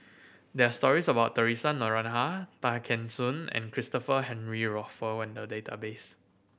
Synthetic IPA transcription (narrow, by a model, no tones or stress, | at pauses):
dɛastɔɹisəbaʊttːəɹisãnːɔɹãnɦatakʰɛ̃nsũnɛ̰̃nkʰɹistɔfəɦɛ̃nɹiɹɔfəwɛ̃ndədetʰa̰bes